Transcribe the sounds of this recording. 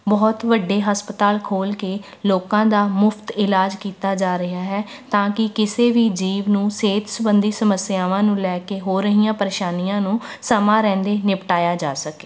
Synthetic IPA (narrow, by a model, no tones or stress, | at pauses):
bɔːt̪ʋəɖːeːɦəspət̪aːlkʰoːlkeː | loːkãːd̪aːmʊpʰt̪ɪlaːd͡ʒkiːt̪aːd͡ʒaːɾɪɦaːɦɛː | t̪ãːkɪkɪseːʋiːd͡ʒiːʋnũːseːt̪sʊbənd̪iːsəməsɪjaːʋãːnũːlɛːkeːɦoːɾəɦijãːpəɾeːʃaːnijãːnũː | səmãːɾɛ̃ːnd̪eːnɪpʈaːjaːd͡ʒaːsəkeː